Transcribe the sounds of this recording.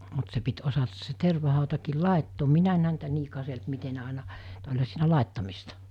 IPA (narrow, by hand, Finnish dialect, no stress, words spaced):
mut se pit osɑtɑs se terʋɑhɑˑutɑkiːl lɑˑetːoːm minæ en hæntæ niː kɑselt mite ne ɑˑinɑ t olʲhɑ siːnæ lɑˑetːɑmistɑ